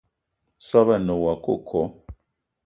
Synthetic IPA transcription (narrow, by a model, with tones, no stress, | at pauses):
sa˦βa˨no˨wa˨ko˦˨kʰɔ˨˦